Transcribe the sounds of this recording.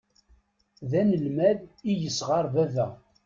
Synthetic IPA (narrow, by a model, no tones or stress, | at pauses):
ðænəlmæðijəsʁɑɾˤvævæ